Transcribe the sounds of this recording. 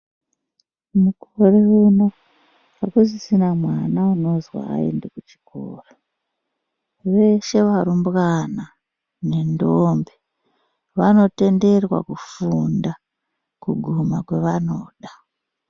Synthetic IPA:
mukoreuno | arkuzisinamwanauno̞zwa̰a̰ḛndekut͡ʃi̥kʰo̰ːra | ʋe̞ʃe̞ʋaɾumbɣana | ne̞ndombe | ʋano̞te̞nde̞rwa̰kufunda | kuɡʱumakwe̞ʋano̞ːɗa

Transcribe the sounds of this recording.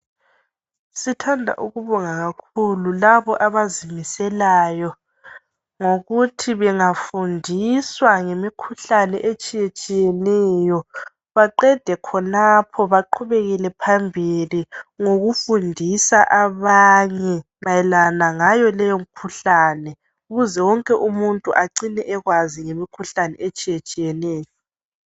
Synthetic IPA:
sitʰandʱa̰ʔuɣuβɔŋaɣakʰululaβɔʔaβazimisɛlaːjɔ | ŋoɣutʰiβɛŋafundʱiswaŋemikʰuɬanɛʔet͡ʃʼijet͡ʃʼijɛnɛjɔ | βaǃɛd̥ʱɛkʰɔnapʰɔβaǃʰuβeɣilɛpʰambʱiliŋoɣufundʱisa̰ʔaβaɲɛ | βajɛlanaŋajɔlɛjom̩kʰuɬaːnɛ | uɣuzɛwɔŋkʼɛʔumuntʼuʔaǀinɛʔɛɣwaziŋemikʰuɬanɛ̰et͡ʃʼijet͡ʃʼijɛnɛːjɔ

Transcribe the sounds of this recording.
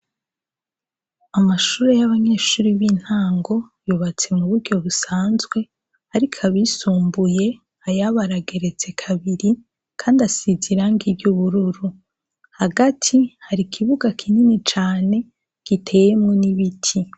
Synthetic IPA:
amaʃuːɾe̞jaβaɲe̞ːʃuːɾiβin̥haːŋɡo̞juːβat͡se̞muβuɾɟo̞βusaːnzɡwe̞ | haɾikʰaβisuːmbuje̞ | ajaβaɾaɡe̞ɾe̞t͡se̞kʰaβiɾi | kʰaːndasiziɾaŋɡibjuβuɾuɾu | haɡatʰihaɾikʰiβuɡakʰininit͡ʃaːne̞ | ɡ̥itʰe̞ːje̞mŋoniβitʰi

